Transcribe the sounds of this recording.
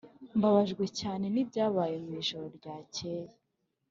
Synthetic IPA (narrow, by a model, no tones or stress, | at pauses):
mbaβaʒɡwe̞caːne̞nib̚ɟaːβaːjemwiːʒo̞ɾoɾɟaːcʰeːje